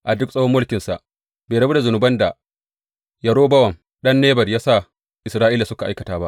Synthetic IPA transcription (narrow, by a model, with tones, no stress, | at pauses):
ʔa˨dʊ˦ksʼɐ˦hmːʊ˦lkʲɪ˨nsa˨ʔ | beː˨ɽɐ˨bu˦da˨zʊ˨nʊ˨bɐ˦nda˨ | jɐ˨ɽoː˦bɐ˦wɐ˨m | ɗɐ˦nːeː˦bɐ˨rjaː˦sa˦˨ | ʔɪ˨sɾaː˦ʔiː˦la˨sʊ˦ka˨ʔa˦jkɐ˨taː˦ba˦ʔ